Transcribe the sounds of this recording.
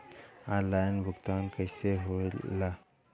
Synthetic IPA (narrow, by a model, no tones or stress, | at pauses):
alainbukt̪ankəjseɦola